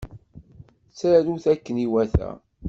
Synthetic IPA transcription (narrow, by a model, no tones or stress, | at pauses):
sæɾuθækːəniwæθæ̰